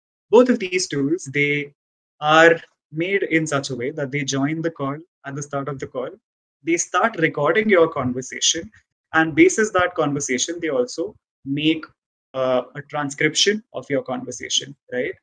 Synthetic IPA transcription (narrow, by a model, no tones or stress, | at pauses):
boːt̪ʰɔʋd̪iːzʈuːlzd̪eː | aːɾ | meːɖɪ̃nsʌt͡ʃəʋeːd̪æʈ̚d̪eːd͡ʒɔ̃ɪ̃nd̪əkɔːl | æʈ̚d̪əsʈaːɾʈɔvd̪əkɔːl | d̪eːsʈaːɾʈɾɪkɔːɾɖɪ̃ŋɡjəːɾkɔ̃ːnʋəɾsḛːʃə̃n | ʔæ̃ɳɖ̚beːsɪsd̪æʈ̚kɔ̃ːnʋəɾseːʃə̃nd̪eːɔːlsoː | meːk | əʈɾãnskɾɪpʃə̃nʔɔ̰fjɔːɾkɔ̃ːnʋəɾsḛːʃə̰̃nɾaɪʈ̚